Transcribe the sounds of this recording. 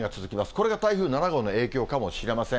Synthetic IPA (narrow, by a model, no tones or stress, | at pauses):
ɡat͡sɨzɨkʲimasɨ̥ko̞ɾe̞ɡat̪aiɸɯ̟ːnanaɡo̞ːno̞e̞ːkʲo̞ːkamo̞ɕiɾe̞masẽ